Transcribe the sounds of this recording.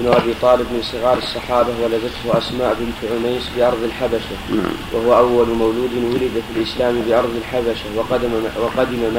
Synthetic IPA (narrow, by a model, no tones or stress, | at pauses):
bnʊʔabiːt̪ˤɑːlɪbmɪnsˤɨɣɑːɾˤɑsˤːɑħɑːbawalaðɪt̪ʊhʊʔasmaːʔbɪnt̪ʕʊmajsbɪʔɑɾˤðˤɪlħabaʃa̰wʔahʊwaʔawːalmawluːd̪ɪnwʊlɪd̪afɪlʔɪslaːmbɪʔɑɾˤðˤɪlħabaʃawwɑqɑd̪ɪmama